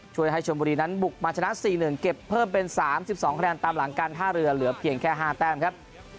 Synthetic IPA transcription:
t͡ɕʰu˥˩əjɦa˥˩jt͡ɕʰo˧mbuː˧ɾiː˧na˦˥nbu˨˩k̚maː˧t͡ɕʰa˧na˦˥ʔsiː˨˩nɯ˨˩ŋke˨˩pʰːɤː˥˩mpe˧nsaː˩˦msi˨˩p̚sɔː˩˦ŋkʰdɛː˧nt̪aː˧mla˩˦ŋkaː˧nt̪ʰaː˥˩ɾɯ˧ɐlɯ˩˦ɐpʰi˨˩ənkʰɛː˥˩ɦaː˥˩t̪ɛː˥˩mkʰa˦˥p̚

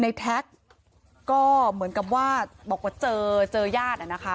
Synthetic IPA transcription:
na˧jt̪ʰɛ˦˥k̚ː | ɔː˥˩mɯ˩˦nka˨˩p̬̚waː˥˩bɔː˨˩kwaː˥˩t͡ɕɤː˧t͡ɕɤː˧jaː˥˩t̪̚a˨˩na˦˥kʰa˦˥

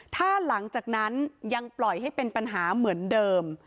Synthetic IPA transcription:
t̪ʰaː˥˩la˩˦ŋt͡ɕaː˨˩k̚na˦˥nja˧ŋplɔ˨˩jɦa˥˩jpe˧npa˧nɦaː˩˦mɯ˩˦əndɤː˧m

